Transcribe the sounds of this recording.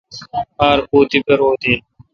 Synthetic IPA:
aːɾpuːt̪ipɐɾoːd̪iː

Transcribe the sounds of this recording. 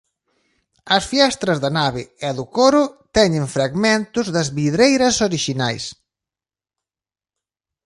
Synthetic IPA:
ɐsfjɛst̪ɾɐzðɐnaβɪɛðʊkoɾʊt̪ɛɲẽɱfɾaɣmẽnt̪ʊzðɐzβiðɾejɾɐsoɾiʃinajs

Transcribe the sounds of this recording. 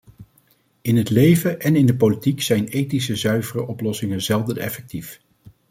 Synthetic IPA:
ɪnɦətlejvəʔɛnɪndəpolitiksɛjnejtis̬əzœɥvərəʔɔplɔsɪŋənzɛlˠdənɛ̰fɛk̚tif

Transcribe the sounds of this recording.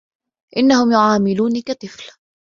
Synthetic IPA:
ʔɪnːahʊmjʊʕaːmɪluːnikat̪ˤɨfl

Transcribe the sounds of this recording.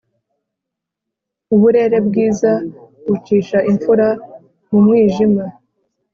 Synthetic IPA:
uβuɾe̞ːɾe̞bɡiːzaɡut͡ʃiːʃaʔiɱfuɾa | mumŋiːʒima

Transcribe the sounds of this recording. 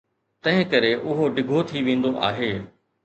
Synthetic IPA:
t̪ɐ̃ɦɪ̃kɐɾeʔʊɦoɖɪɡʱot̪ʰiʋẽːn̆d̪oʔa̰ːɦeː

